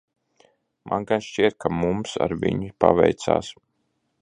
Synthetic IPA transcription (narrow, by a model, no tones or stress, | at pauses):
mʔanɡanʃt͡ʃiɛt̪̚kʰamumsa̰ɾvʲiɲipa̰vɛjt̪sa̰ːs